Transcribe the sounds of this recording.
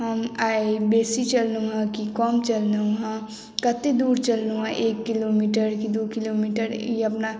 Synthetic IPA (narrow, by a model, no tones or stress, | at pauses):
ɦəmaːebeːsit͡ʃɐlnũɦãkikɔːmt͡ʃɐlnũɦã | kɐt̪ed̪uːɾt͡ʃəlnũɦãʔeːkːiloːmiːʈəɾkid̪okiloːmiːʈəɾiɐpna